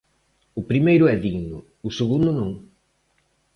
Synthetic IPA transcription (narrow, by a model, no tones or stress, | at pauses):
ʊpɾimejɾʊɛðiɣɲʊ | ʊseɣund̪ʊnõŋ